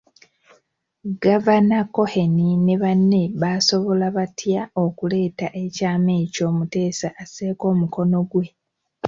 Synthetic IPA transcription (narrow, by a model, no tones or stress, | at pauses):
ɡavanako̞he̞nineβanːe̞βaːso̞βo̞laβatjao̞kule̞ːtaʔe̞caːme̞ːco̞ːmute̞ːsaʔːse̞ːko̞ːmuko̞no̞ɡwe̞